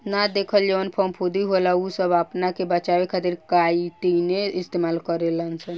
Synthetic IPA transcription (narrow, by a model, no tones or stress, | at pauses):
nad̪ekʰəld͡ʒeʋənpʰəmpʰod̪iɦolausəbapnakebət͡ʃaʋekʰat̪iɾkait̪ineist̪emalkəɾelənsən